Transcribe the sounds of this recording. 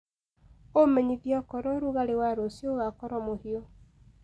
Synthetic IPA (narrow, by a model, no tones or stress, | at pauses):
omɛɲiðjɔkɔɾɔɾuɣaɾewaɾosjoɣakɔɾɔmohiɔ